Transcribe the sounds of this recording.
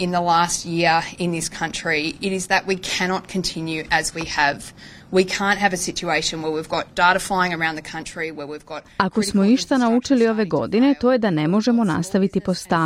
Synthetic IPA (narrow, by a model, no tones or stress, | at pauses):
ɨ̃nðəlæst̚jɪɹɪ̃nðɪskʰʌ̃nt͡ʃɹ̥iɪɾɨzðɨʔwikʰæñɑt̚kʰɨ̃n̩tʰɪ̃njʉʔɨzwiəv | wikʰæ̃nt̚ɦɨvɨsɪt͡ʃueɪʃɨ̃nwə˞wivɡɑt̚d̥ɑɹɾəflaɪɪ̃ŋə˞ãʊ̃nðɨkʰʌ̃nt͡ʃɹ̥iwə˞wivɡɑt̚ako̞smo̞niʃt̪anaut͡ʃilio̞ʋe̞ɡo̞̰d̪ine̞t̪o̞jed̪anemo̞ʒemo̞na̰st̪aʋit̪ipost̪a